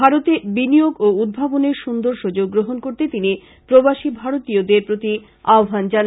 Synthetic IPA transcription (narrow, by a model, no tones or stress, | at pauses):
aɾot̪ebinijoɡoud̪̚bʱaboneɾʃund̪oɾʃud͡ʑoɡɡːɾoɦonkoɾt̪et̪ini | pɾobaʃibʱaɾot̪iod̪eɾpɾot̪i | aobʱand͡ʑan